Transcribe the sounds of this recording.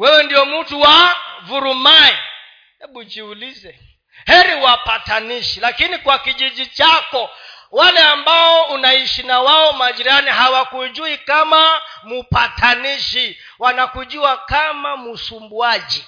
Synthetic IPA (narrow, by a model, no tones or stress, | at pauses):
wɛwɛndiɔmutuwavuɾumai | hɛɓut͡ʃiulizɛ | hɛɾiwapataniʃilakinikwakiʄiʄit͡ʃakɔ | walɛambaɔunaiʃinawaɔmaʄiɾaniɦawakud͡ʒuikamamupatʰaniʃi | wanakud͡ʒuakamamusumbuad͡ʒi